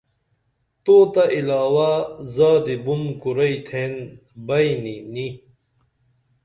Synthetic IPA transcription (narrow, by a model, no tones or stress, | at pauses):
t̪oːt̪aʔilaːwazaːd̪ibumkuɾɐit̪ʰeːn | bɐjnini